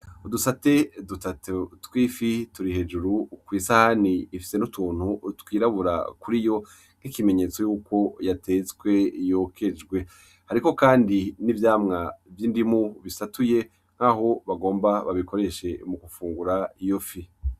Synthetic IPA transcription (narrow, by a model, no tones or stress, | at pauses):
udusate̞dutatotwiːfituɾihe̞d͡ʒuɾukwiːsahaniːfi̥se̞nutuːn̥hutkwiːɾaβuɾa̰kuɾijo̞ | n̥hikime̞ɲet͡so̞juːko̞jatʰe̞zɡwe̞jo̞kʰe̞d͡ʒɡwe̞ | haɾiko̞kaːndinivjaːmŋavjindimuβisatuje̞ | ŋ̥aɦo̞βaɡo̞ːmbaβaβiko̞ɾe̞ʃe̞mukufuːŋɡuɾaijofi